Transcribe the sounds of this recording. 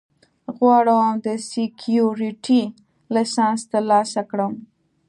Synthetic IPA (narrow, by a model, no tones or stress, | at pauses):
ɣwɑɽəwmd̪əsɪkʰjuɾiʈi | lɪsɑnst̪alɑsakɽəm